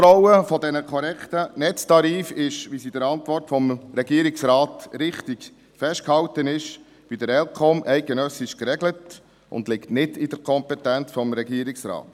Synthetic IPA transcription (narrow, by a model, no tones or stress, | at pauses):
ɾɔwəfɔdɛnəkʰɔɾɛkt̪ənɛt͡stɑɾiːfɪʃʋisidəɾɑntʋɔrtfɔmɾɛɡiəɾɪksɾɑːtɾɪχtɪɡ | fɛʃtkhɑwtənɪʃ | bidəɾɛlkʰɔmʔɛɪk̚ɡ̥ənœsɪʃkɾɛɡlət | ʊ̰ndlɪktnɪdid̥əɾkʰɔmpɛtænt͡sfɔmɾɛɡiːɾɪksɾɑ̰ːt